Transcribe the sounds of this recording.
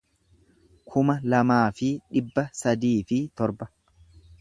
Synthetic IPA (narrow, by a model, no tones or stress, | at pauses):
kʰʊmɐlɐmaːfɪᶑɪbːɐsɐd̪iːfɪt̪ɔɾbɐ̥